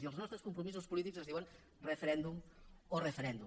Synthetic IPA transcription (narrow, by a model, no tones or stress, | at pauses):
iəlˠznɔst̪ɾuskumpɾumiz̬uzospulˠit̪ikzɐzðiwɐn | refeɾɛnd̪umorefeɾɛnd̪u